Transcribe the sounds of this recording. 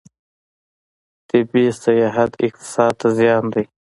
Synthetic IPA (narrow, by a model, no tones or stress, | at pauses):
t̪ɪbisɐjɑːɦat̪ɪ̰q̚t̪ɪ̥sɑːd̪̚t̪azjɑːnd̪ij